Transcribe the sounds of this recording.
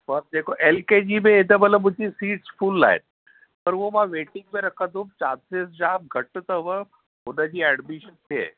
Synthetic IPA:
pəɾd̪ekʰoʔelked͡ʑimeed̪əbələmud͡ʒiːsiːʈspʰulːa̰ḛt̪̚ | pəɾʋomaʋeʈiŋɡ̚meɾəkad̪uːb̚t͡ʃad̪sesd͡ʑab̚ɡʱəʈːt̪əʋə | ɦonəd͡ʑiːɛɖmiʃənt̪ʰḛ

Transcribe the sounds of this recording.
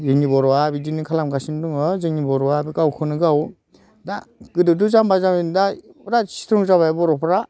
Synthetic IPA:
zɯŋnibɔɾɔabidinɯkʰalamɡasinduŋɯzɯŋnibɔɾɔabiɡawkʰɯnɯɡaw | daɡ̥ɯdɯduzambazamindaɾasi̥t̪ʰɾɔŋzaβajbɔɾɔpʰɾa

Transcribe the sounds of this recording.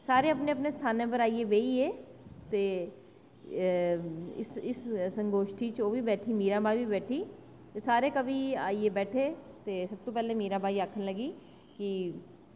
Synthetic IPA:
saːɾeɐpneɐpnest̪ʰaːnẽp̬əɾaːieʋeːieːt̪eː | ɪsɪssə̃ŋɡoːʃʈʰit͡ʃoːbʱibɛːʈʰimiːɾabʱaːibʱibɛːʈʰi | t̪esaːɾekɐbʱiaːiebɛːʈʰet̪eːsɐb̚t̪opɛːlemiːɾabʱaːiaːkʰənlɐɡiː | ki

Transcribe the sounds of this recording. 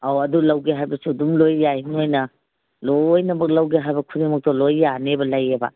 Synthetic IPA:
awɐdulɐwɡeɦajbɐsudumlojːajinojnɐ | lojnɐmɐk̚lɐwɡeɦajbɐkʰudimɐk̚tɔlojːanebɐlajebɐ̰

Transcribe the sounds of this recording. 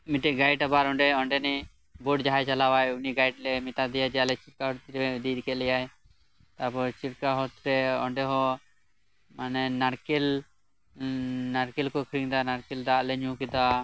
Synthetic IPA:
miʈɛʔɡajʈabaɾɔɳɖɛɔɳɖɛnɛ | bɔɖd͡ʒaɦajt͡ʃalawajuniɡajʈlɛmit̪ad̪ɛjad͡ʒɛjalɛt͡ʃiɾkaɦɔɾt̪ɾɛd̪ikɛlɛjaj | t̪abɔt͡ʃiɾkaɦɔt̪ɾɛɔ̰ɳɖɛɦɔ | manɛnaɾkɛl | naɾkɛlkɔkʰɾiŋd̪anaɾkɛld̪aʔlɛɲũkid̪a

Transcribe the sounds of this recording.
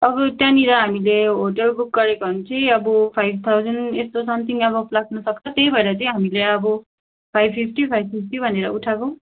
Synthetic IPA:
ʌbʌt̪jãniɾʌɦamileɦoʈʌlbuk̚ɡʌɾeknt͡sʌĩʌbʌpʰajb̚ʱt̪ʰawd͡zʌnest̪osʌmt̪ʰiŋʌbʌplak̚nusʌkt͡sʰʌt̪ejbʱʌeɾʌt͡sʌĩɦamileʌbʌ | pʰajbpʰipʰʈipʰajbpʰipʰʈibʱʌneɾʌuʈʰakõ

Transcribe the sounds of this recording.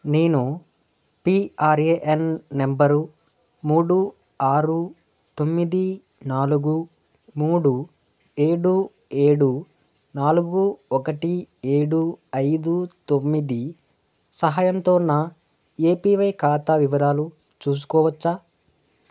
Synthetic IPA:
ne̞ːnu | piaːɾeːʔenːembɐɾu | muːɽu | aːɾu | t̪o̞mːid̪i | naːluɡu | muːɽu | e̞ːɽu | eːɽu | naːluɡuɔkɐʈieːɽuɐjd̪ut̪o̞mːid̪i | sɐɦaːjɐnt̪oːnaː | e̞ːpiːʋɐjkaːt̪aːʋiʋɐd̪ʱaːlu | t͡ʃuːs̬u̥kɔːʋɐt͡ʃːaː

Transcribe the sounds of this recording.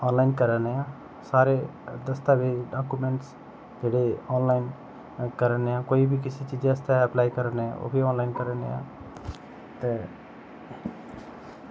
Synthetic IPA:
ɔːnlaːɪnkəɾəneã | saːɾed̪ɐst̪abʱiɖaːkumẽɳʈs | d͡ʒeːɽeɔːnlaːɪn | kəɾəneãːkoːibʱikɪsit͡ʃiːd͡ʒeɐst̪eɐplaːikəɾəneã̰o̰ːbʱiɔːnlaːɪnkəɾənã̰ː | t̪e

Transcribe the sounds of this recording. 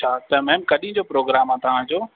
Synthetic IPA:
t͡ʃʰaːt̪ɐmɛ̃ːmkɐɗĩɪ̃d͡ʑopɾoːɡɾaːmãːt̪ɐɦãːd͡ʑoː

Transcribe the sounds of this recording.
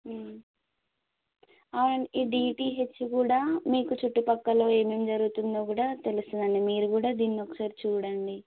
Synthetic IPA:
aːʋɐɳiiːɖiːʈiːɦe̞t͡ʃːukuːɽaːmiːkut͡ʃuʈːipɐkːɐlo̞ːe̞ːme̞ːmd͡ʒɐɾuɡut̪und̪oːkuːɽaːt̪e̞lust̪und̪ɐɳimiːɾukuːɽaːd̪iːnːiɔkːɐ̥saːɾit͡ʃuːɽɐɳɖi

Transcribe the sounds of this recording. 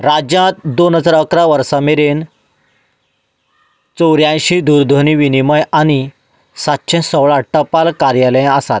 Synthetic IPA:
ɾad͡ʑjãt̪d̪onɦəd͡zaɾəkɾaʋəɾsameɾen | t͡sɔwɾjãj̃ɕid̪uɾd̪ʱoniʋiniməjañi | sat̪ːɕʰẽsəʋɭaʈːəpalkaɾjalj̃əsat̪̚

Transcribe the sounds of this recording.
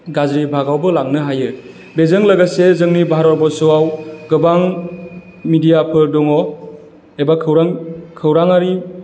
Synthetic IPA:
ɡazɾibʱaɡawbɯlaŋnɯɦajɯ | bezɯŋlaɡasezɯŋnibaɦaɾɔbɔsɔwawɡɯbaŋ | midijapʰɯɾdɔŋɔ | ebakʰɯwɾaŋkʰɯwɾaŋaɾi

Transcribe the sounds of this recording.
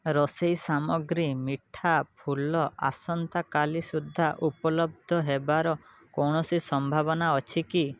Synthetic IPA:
ɾɔsejsamɔɡɾimiʈʰapʰulɔʔa̰sɔnt̪akalisud̪ʱːaʔupɔlɔb̚d̪ʱɔɦebaɾɔ | kɔɳ̃ɔsisɔmbʱaβɔnaɔt͡ʃʰiki

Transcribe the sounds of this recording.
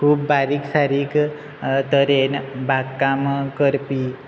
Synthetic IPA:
kʰuːpbaɾiksaɾiːk | t̪əɾenbaɡkamkəɾpi

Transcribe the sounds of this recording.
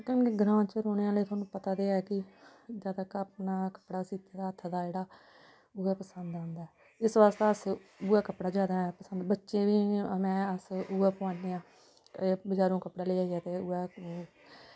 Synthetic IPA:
kənkeɡɾãːt͡ʃəɾoːneãːləiːt̪ʰwaːnũːpət̪aːd̪eːaɛkɪd͡ʒaːd̪aːkəpnaːkə̥pɽaːsiːt̪ʰːeːd̪aːət̪ʰːd̪aːd͡ʒeːɽaː | ʊɛːpəsənd̪ãːnd̪aɛː | ɪsʋaːst̪eəsbʊːɛːkəpɽaːd͡ʒjaːd̪aːɛpəsənd̪bətːʃeːʋiːmɛ̃ːəsʊɛːpʊãːneːãː | bəd͡ʒaːɾõːkəpɽaːleːaːiɛːt̪eːʊɛː

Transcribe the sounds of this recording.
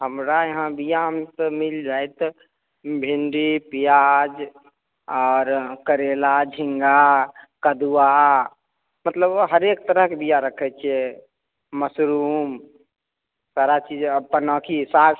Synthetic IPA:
ɦəmɾajeɦãbijaɦəmsəmild͡ʒajt̪ | bʱinɖipijad͡ʒ | ɔːɾkəɾelad͡ʒʱĩŋɡakəd̪ua | mət̪ləbɦəɾekt̪əɾəɦkebijaɾəkʰɛt͡ʃʰiɛ | məsɾum | saɾat͡ʃid͡ʒpənɔkisa

